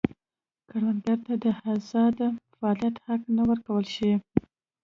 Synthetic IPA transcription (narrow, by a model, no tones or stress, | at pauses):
kaɽwanɡaɾt̪ad̪əhazɑd̪faɑlijat̪haknawəɾkawəlʃii